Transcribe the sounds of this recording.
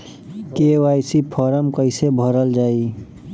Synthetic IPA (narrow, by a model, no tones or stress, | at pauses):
kewaːisipʰɔːɾəmkəɪsebʱəɾəld͡ʒaːi